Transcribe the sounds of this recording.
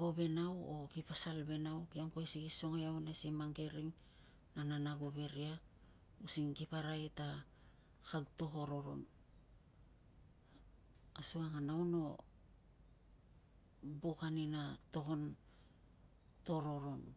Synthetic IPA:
ɡobe̞nawokipasalbe̞nawkiamkoesiɡiso̞ŋejawnesimaŋɡe̞ɾiŋ | nananaɡoβe̞ɾia | usiŋɡipaɾajta | kawto̞ko̞ɾo̞ɾo̞̰n | asuaŋanawno̞ | bokaninato̞ko̞n | to̞ɾo̞ɾo̞n

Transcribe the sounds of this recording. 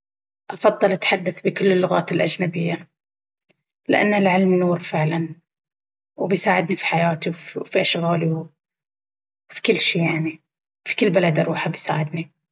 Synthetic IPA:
ʔɑfɑðˤːɑlʔat̪ħad̪ːaθbɪkʊlːɪlːʊɣaːt̪ɪlʔad͡ʒnabɪjːa | lɪʔa̰nːɪlʕɪlmnuːɾfɪʕlan | wbɪjsaːʕɪd̪nifi̥ħajaːt̪iwfiʔaʃɣaːliw | fi̥kɪlːʃiːjaʕni | fi̥kɪlːbalad̪ʔɑɾˤuːħabɪjsa̰ːʕɪd̪ni

